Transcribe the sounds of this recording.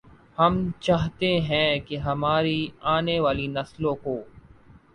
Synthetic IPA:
hɐmt͡ʃaːɦt̪eɦɛ̃keɦɐmaːɾiaːneʋaːlinɐslõkoː

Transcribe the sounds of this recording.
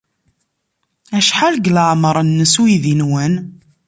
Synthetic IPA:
æʃħalɡləʕmɾˤənːəswjðinwən

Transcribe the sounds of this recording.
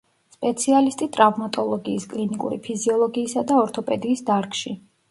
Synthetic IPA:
spʼɛt̪sʰialist̪ʼit̪ʼɾavmat̪ʼɔlˠɔɡiːskʼlinikʼṵɾḭpʰiziɔlˠɔɡiːsad̪aɔɾt̪ʰɔpʼɛd̪iːsd̪aɾkʼʃi

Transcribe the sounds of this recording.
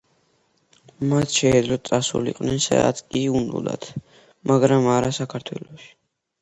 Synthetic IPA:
mat̪ʰʃɛɛd̪lɔt̪̚t̪sʼasṵlḭqʼwnɛnsa̰a̰t̪kʼiund̪ṵd̪a̰t̪ʰ | maɡɾamaɾasakʰaɾt̪ʰwɛ̰lɔʃi̥

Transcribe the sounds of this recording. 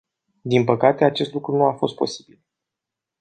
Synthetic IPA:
d̪inpəkat̪e̞at͡ʃe̞st̪lukɾunuafo̞st̪̚po̞si̥bil

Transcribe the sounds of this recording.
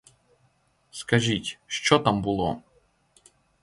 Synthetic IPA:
skɐʒitʲʃt͡ʃɔt̪ambʊlˠɔ̰

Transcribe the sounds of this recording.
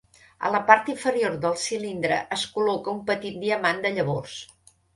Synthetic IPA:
ə̰ləpaɾt̪iɱfəɾioɾðəlˠsilind̪ɾə̰ʔəskulɔkəumpət̪it̪̚d̪iəmand̪əʎəβors

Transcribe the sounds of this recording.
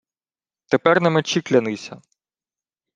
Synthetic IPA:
t̪epɛrnɛmet͡ʃiklʲɐnɪsʲɐ

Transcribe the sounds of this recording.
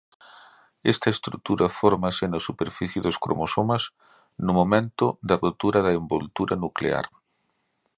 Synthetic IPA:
est̪ɐest̪ɾuk̚t̪uɾʔɐfɔɾmɐsɪnɐsupeɾfiθjɪðʊskɾo̰mosomɐs | nʊmomẽnt̪ʊd̪ɐrot̪uɾɐðɐembolt̪uɾɐnuklḛa̰ɾ

